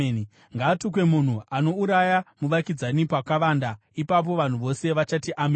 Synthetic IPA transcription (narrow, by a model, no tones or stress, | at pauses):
ŋɡaːtuk̬we̞mun̤uʔano̞uɾajamuʋakid͡zanipakaʋaːnda | ipap̬o̞ʋan̤uʋo̞se̞ʋat͡ʃatiʔame